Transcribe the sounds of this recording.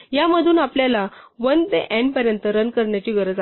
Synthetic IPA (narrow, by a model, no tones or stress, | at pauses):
jaməd̪ʱuːnapljalaʋənt̪eʔɛ̃ɳpəɾjənt̪əɾənkəɾɳjat͡ɕiːɡʱəɾəd͡za